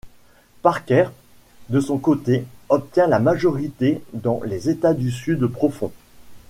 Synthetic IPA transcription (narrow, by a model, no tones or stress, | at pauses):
paʁkʲɛʁ | d̪əsɔ̃kot̪eɔp̚t̪jɛ̃lamaʒɔʁit̪ed̪ɑ̰̃lezet̪ad̪ysyd̪pχɔfɔ̰̃